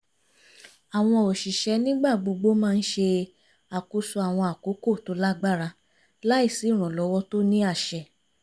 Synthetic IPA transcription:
a˨w̃ɔ̃˧o˨ʃi˨ʃɛ˧˦nĩ˦ɡ͡ba˦˨ɡ͡bo˧ɡ͡bo˦mãː˦˧n̩˦ʃe˧ | a˨ko˧˦su˧˦a˨w̃ɔ̃˧a˨ko˨˦ko˦˨to˨˦la˦ɡ͡ba˦˨ɾa˧ | la˦i˦˨si˨˦˨ɾ̃ɔ̃˨lɔ˨˧˦wɔ˦to˦nĩ˦a˦˨ʃɛ˨

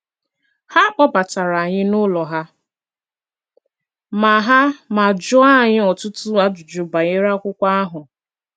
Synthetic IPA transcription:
ha˦k͡pɔ˦ba˨ta˨ɾa˨ɲɪ˦nʊ˦lɔ˨ɦa˦ | ma˨ɦa˦ma˨d͡ʒʊ˦a˦˨ɲɪ˦ɔ˨tʊ˦tʊ˦a˦dʊ˨d͡ʒʊ˨ba˨ɲɪ˦ɾa˦kʷʊ˦kʷa˦a˦ɦʊ˨

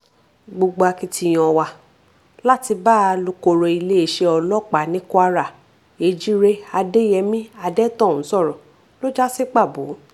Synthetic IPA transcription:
ɡ͡bo˧ɡ͡bo˧a˧ki˧tʰi˧j̃ɔ̃˧wa˧ | la˦ti˧baː˦˨˧lo˧ko˧ɾo˧i˧le˦e˨˧˨ʃe˧ɔ˧lɔ˦˨k͡pa˨nĩ˨˦ku˦a˧ɾa˨ | e˨˦d͡ʒi˦ɾe˧a˧de˦jɛ˧mĩ˦a˧dɛ˦tɔ̃˦˨ũ˨˦sɔ˦˨ɾɔ˨ | lo˦d͡ʒa˦se˦k͡pa˦˨bo̰˨˦

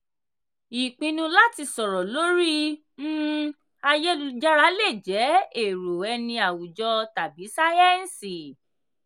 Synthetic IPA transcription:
i˨k͡pĩ˧nũ˧la˦ti˧sɔ˨ɾɔ˨lo˨˦ɾi˦ | m̩ː˦ | a˧je˦lu˧d͡ʒa˦ɾa˦le˦˨d͡ʒɛ˨˦e˦˨ɾo˨ɛ˧nĩ˧a˨wu˨d͡ʒɔ˧ta˨bi˨˦sa˦ɛ˦n̩˨si˨

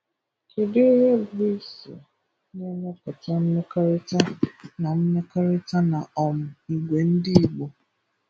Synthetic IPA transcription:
ke˨dɪ˦ɾe˦bi˦i˦sḛ˨ | ɲe˦na˦kɔ˨ta˦m̩˦me˦ka˦ɾɪ˦ta˦na˨m̩˦me˦ka˦ɾɪ˦ta˦na˨ɔ˨mʊ˨i˨ɡʷe˨n̩˦dɪ˦i˨ɡ͡bo˨

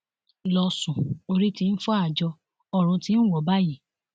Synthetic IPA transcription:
lɔ˧sũ˨o˧ɾi˦ti˧n̩˦fɔ˦a˦˨d͡ʒɔ˧ | ɔ˦˨ɾ̃ũ˧tĩ˧˦n̩˦wɔ˨ba˦ji˦˨

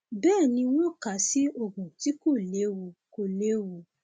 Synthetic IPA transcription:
bɛː˦˨nĩ˧w̃ɔ̃˦ka˨si˨˦o˨ɡũ˨ti˨˦ko˦˨le˨˦wu˧ko˧˨le˨˦wu˧˨

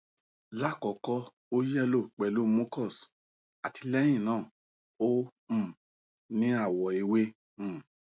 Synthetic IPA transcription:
la˦˨kɔ˨kɔ˧ | o˦jɛ˦lo˦˨k͡pɛ˨lu˨˦mo˦kɔ˦˨s | a˨ti˧lɛ˦j̃ĩ˦˨nãː˦˨ | õ˦˨ | nĩ˦a˦˨wɔ˨e˧wẽ˦˨

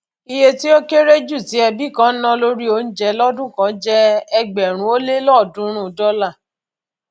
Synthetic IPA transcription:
i˧je˦ti˦o˦ke˦ɾe˦d͡ʒu˦˨ti˨˦ɛ˧bi˦˨kã˨˦n̩˦nɔ̃˦lo˦ɾi˦o˧˦n̩˦d͡ʒɛ˦lɔ˦dũ˦˨kã˨˦d͡ʒɛ˦ɛ˧ɡ͡bɛ˨ɾ̃ũ˨˦o˦le˦lɔ˦˨dũ˦ɾ̃ũ˦˨dɔ˦la˦˨

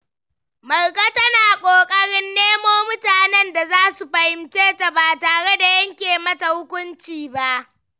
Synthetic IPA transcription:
mɐ˨rkʼa˦tɐ˦naː˨kʷʼoː˨kʼɐ˦ɽɪ˦nːeː˦moː˦mʊ˦taː˨nɛ˦nda˨zaː˦su˨ɸɐ˨hɪ˨mt͡ʃeː˦ta˨baː˨taː˨ɽe˦da˨jɐ˦ŋkʲeː˨mɐ˦ta˨hʊ˦kʷʊ˦nt͡ʃiː˨ba˦ʔ

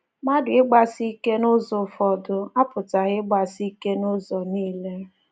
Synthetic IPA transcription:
ma˦dʊ˨ɪ˦ɡ͡ba˨si˦ke˦nʊ˦zʊ˨fɔ˨dʊ˦a˦pʊ˨ta˨ɣɪ˦ɡ͡ba˨si˦ke˦nʊ˦zɔ˨niː˦le˦

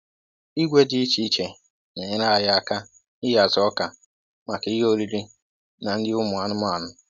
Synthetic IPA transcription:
i˦ɡʷe˦di˦i˦t͡ʃi˦t͡ʃe˨ | ɲe˨ɲɪ˦ɾa˦a˨ja˦a˨ka˦ | ɪ˦ja˨zɔ˦ka˨ | ma˨ki˨˦ɦo˦ɾi˦ɾi˦ | na˨n̩˦dɪ˦ʊ˦mʊ˨a˨nʊ˦ma˦˨nʊ˦

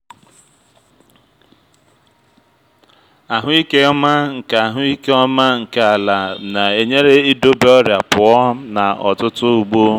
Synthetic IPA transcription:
a˨ɦʊ˦i˦ke˦ɔ˦ma˦ŋ̩˨ka˨a˨ɦʊ˦i˦ke˦ɔ˦ma˦ŋ̩˨ka˨a˨la˨na˨e˨ɲe˦ɾe˦i˦do˦be˦ɔ˦ɾja˨pʊ˨ɔ˦na˨ɔ̰˨tʊ˦tʊ˦u˨ɡ͡bo˦

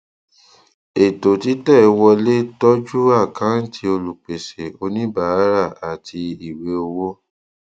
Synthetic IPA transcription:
e˨to˨ti˨˦tɛ˦˨˧wɔ˧le˦tɔ˦d͡ʒu˦a˦˨kã˨˦n̩˦˨tʰi˧˦o˧lu˨k͡pe˨se˨o˧nĩ˦ba˦˨˦ɾa˦˨a˨ti˧i˨we˨˦o˧wo˦

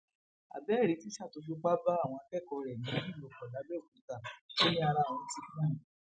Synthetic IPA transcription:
a̰˨bɛ˨˦˨ɾi˨˧˦ti˦ʃa˦˨to˨˧f̬u˧k͡pa˦ba˦a˦˨w̃ɔ̃˧a˧kɛ˦˨kɔ˧ɾɛ˨nĩ˨˦nĩ˦˨lo˨˧˨kɔ˨da˨˦bɛ˦o˨kũ˨˦ta˨o˦nĩ˦a˧ɾa˦˨wɔ̃˧ti˨˦ñ˦˨ĩ˨

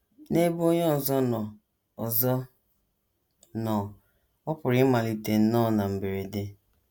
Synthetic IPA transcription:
ne˦bo˦ɲ˦ɔ˦˨zɔ˦nɔ˨ | ɔ˨zɔ˦ | nɔ˨ | ɔ˦pʊ˨ɾɪ˦ma˨li˨te˨n̩˦nɔ˦˨na˨m̩˨be˨ɾe˨de˦

